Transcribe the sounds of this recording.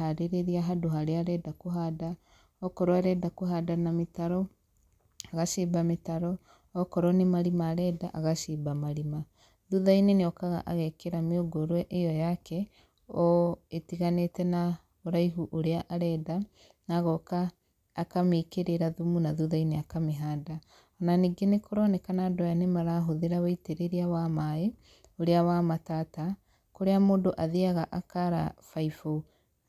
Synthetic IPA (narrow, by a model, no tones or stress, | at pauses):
aɾeɾeɾiaɦadoɦaɾeaɾɛdakoɦada | ɔkɔɾoaɾɛdakoɦadanametaɾɔ | aɣaʃiːbametaɾɔ | ɔkɔɾɔnemaɾimaɾɛdaʔaɣaʃibamaɾima | ðuðaineneɔkaɣa̰ʔaɣɛkeɾameoɡoɾwɛʔejɔjakɛ | ɔetiɣanetɛna | oɾaiɦuʔoɾeaʔaɾɛda | naɣɔkaː | kameːkeɾeɾaðumunaðuðaineakameɦaːda | ɔnaniːɡenekʰoɾɔnɛkanadɔjanemaɾaɦoðeɾawaiteɾeɾiawamae | oɾeawamataːta | koɾeamoːndoʔaðeaɣaʔakaɾa̰faifo